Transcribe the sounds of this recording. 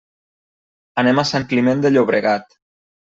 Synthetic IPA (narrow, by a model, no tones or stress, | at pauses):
anemasaŋklimend̪eʎoβɾeɣat̪